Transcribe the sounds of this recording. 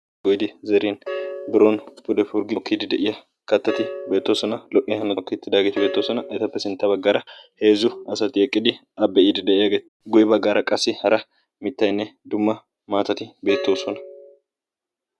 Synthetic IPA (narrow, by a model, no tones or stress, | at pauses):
ɡɔjd̪ɪzɛɾiːnbɪɾoːnpʊd̪ɛfʊɾɡɪkʰːiːd̪ɪd̪ɛʔɪjɐ | kɐt̪ːɐt̪ɪbe̞ːt̪ːoːsɔnɐlɔʔɪhɐnɔkːɪt̪ːɪd̪aːɡet̪ɪbe̞ːt̪ːoːsɔnɐʔɛt̪ɐpːɛsɪnt̪ːɐbɐɡːaːɾɐhe̞ːzʊɐsɐt̪ɪɛkʼːɪd̪ɪ | ɐbːɛʔiːd̪ɪd̪ɛʔɪjɐɡeːt̪ | ɡʊjɪbɐɡːaːɾɐkʼɐsːɪhɐɾɐ | mɪt̪ːɐjnːɛd̪ʊmːɐ | maːt̪ɐt̪ɪbe̞ːt̪ːo̞ːsɔnɐ̥